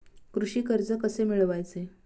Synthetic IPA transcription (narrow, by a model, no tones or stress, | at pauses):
kɾuɕiːkəɾd͡zəkəsemiɭʋajt͡se